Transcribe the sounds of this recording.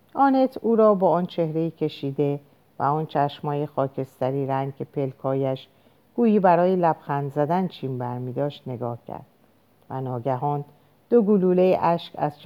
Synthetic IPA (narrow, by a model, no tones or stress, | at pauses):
ʔɒːne̞t̪ʰuːɾɒːbɒːɒːnt͡ʃʰe̞hɾe̞iːcʰe̞ʃiːd̪e̞ | væ̰ɒːnt͡ʃʰæʃmɒːjexɒːcʰe̞st̪æɾiːɾæŋɡ̚cʰepʰe̞lkʰɒːjæʃ | ɡ̥uːjiːbæɾɒːjelæb̥xænd̪zæd̪ænt͡ʃʰiːmbæɾmiːd̪ɒːʃt̪ne̞ɡɒːhcʰæ̰ɾd̪̥ | væ̰nɒːɟæɦɒːn | d̪̥oɡuluːle̞jeʔæʃkæ̰z̥t͡ʃ